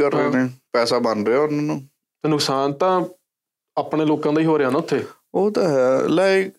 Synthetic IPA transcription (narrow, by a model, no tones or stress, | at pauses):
kəɾːeːneːpɛːsaːbənɾeːaːʊnãːnũː | t̪enʊksaːnt̪ãː | aːpɳeːloːkãːd̪aiːɦoːɾeãːnãːʊt̪ʰːeː | oːt̪aːɦlaːɪk